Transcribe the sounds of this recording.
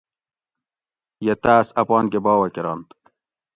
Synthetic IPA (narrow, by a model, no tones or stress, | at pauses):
jet̪aːsɐpɑːnkebɑːwɐkeɾɑːnt̪